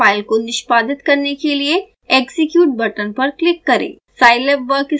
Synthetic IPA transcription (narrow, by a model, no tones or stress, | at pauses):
aːɪlkonɪʃpaːd̪ɪt̪kɐɾnekelie | eːɡsɪkjuːʈ̚bɐʈənpɐɾklɪkːɐɾḛː | saːɪlebʋəɾkɪ